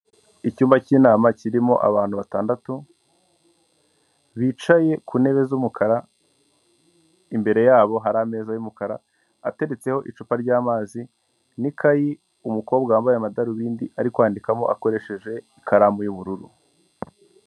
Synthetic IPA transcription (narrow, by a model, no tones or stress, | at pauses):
icuːmbaciːnaːmaciɾimo̞̰ʔa̰βaːn̥huβataːndatu | βit͡ʃaje̞kune̞βe̞zumukʰaɾa | imbe̞ɾe̞jaːβo̞ɦaɾame̞ːzajumukaɾa̰ | ate̞ɾe̞t͡se̞ho̞ʔit͡ʃupaɾɟaːmaːzi | nikʰaji | umuko̞ːbɡaːmbajamadaɾuβiːndiʔaɾikwaːndikamo̞ʔako̞ɾe̞ʃe̞ʒe̞ikʰaɾaːmujuβuɾuɾṵ